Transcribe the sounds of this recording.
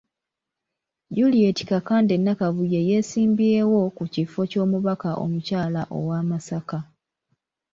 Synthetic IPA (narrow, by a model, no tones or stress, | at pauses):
ɟulieti̥kakaːnde̞nːakaβujeje̞ːsiːmbie̞wo̞kucifo̞co̞ːmuβakaʔo̞̰mucaːlaʔo̞̰waːmasaka